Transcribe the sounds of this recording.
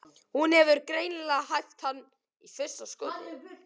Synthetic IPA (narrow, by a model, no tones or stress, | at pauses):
hunhɛvʏɾkɾeːjnɪlaɦajft̪hanː | ifɪr̥saskœ